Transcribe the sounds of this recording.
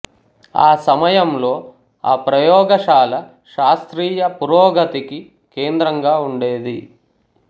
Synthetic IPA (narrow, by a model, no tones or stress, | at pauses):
a̰ːsɐmɐjɐmlo̞ː | aːpɾɐjɔːɡɐʃaːlɐ | ʃaːst̪ɾiːjɐpuɾɔːɡɐt̪iki | keːnd̪ɾɐŋɡaːuɳɖeːd̪i